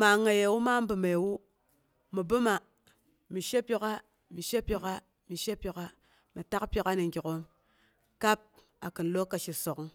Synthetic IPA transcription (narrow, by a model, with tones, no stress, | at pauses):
ma˨ŋa˨je˨wu˦ma˦m˦bɨ˨me˨wu˦ | mi˨bɨ˦ma˨ | mi˨ʃe˦pʲo˨ka˦ | mi˨ʃe˦pʲo˨ka˦ | mi˨ʃe˦pʲo˨ka˦ | mi˨ta˦kpʲo˨ka˦ni˨ŋɡʲi˨ko˦m | ka˦p̚ | a˨kɨ˨n˨lo˦kːa˨ʃi˨so˨k